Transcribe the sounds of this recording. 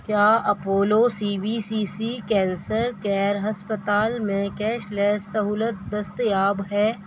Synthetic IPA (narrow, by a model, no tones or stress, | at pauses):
kjaːɐpoːloːsiːbiːsiːsiːkɛ̃ːnsəɾkɛːɾɦɐspət̪aːlmẽkɛːʃlɛːsːɐɦuːlət̪̚d̪ɐst̪jaːbɦɛː